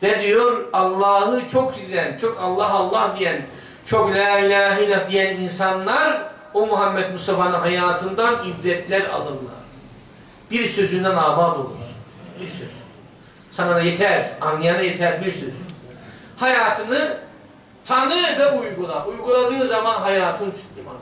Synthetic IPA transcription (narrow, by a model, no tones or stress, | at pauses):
d̪̥ɛd̪ijoɾɑlˠːɑːhɯt͡ʃʰok̚d͡ʒiilænt͡ʃʰokʰalˠːaɦɑlˠːahd̪ijæn | t͡ʃʰoklʲaːilʲaːɦiːlʲad̪ijæninsanlˠaɾ | omuɦamːɛt̪musafanɯnɦajaːt̪ʰɯnd̪anibɾɛt̪ʰlʲæɾa̰lˠɯnlˠa̰ɾ | b̥iɾsø̞zynd̪ɛnaːbaːt̪o̰lˠṵɾ̥ | b̥iɾsø̰zy | sanad̪ajet̪ʰæɾananajet̪ʰæɾbiɾsø̰zyn | hajaːt̪ʰɯnɯ | t̪ʰanɯvɛujɡulˠaʔujɡulˠad̪ɯːzamanɦajaːt̪ʰɯnt͡ʃʰɯ̥k̪lʲima̰n